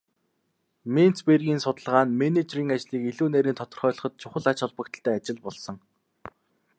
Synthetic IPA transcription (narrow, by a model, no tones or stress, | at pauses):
men̥t͡sperɣʲiːnsʊt̪ə̆ɮʁaːnmenet͡ɕriːŋat͡ɕɮiːkiɮuːneːɾiːnt̪ʰɔt̪ɞ̆rχœːɮɞ̆χɞ̆t̪̚t͡ɕʰʊχə̆ɮat͡ɕɔɮpə̆k̚t̪̆ɬt̪ʰæːat͡ɕɪ̆ɮpɔɮsɞ̆ŋ